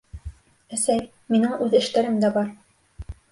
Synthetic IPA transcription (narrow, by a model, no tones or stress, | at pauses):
æsæj | minɘŋʉðɘ̆ʃt̪æɾɘmd̪æbɑɾ